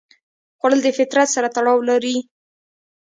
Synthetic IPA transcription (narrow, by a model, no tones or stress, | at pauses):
xaləld̪əfɪt̪ɾat̪saɾat̪aɽɑwlaɾi